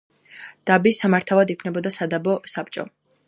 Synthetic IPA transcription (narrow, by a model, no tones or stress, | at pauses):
d̪̥abisamaɾt̪ʰavad̪ikʰnɛbɔd̪asad̪abɔsap̚t͡ʃʼɔ̰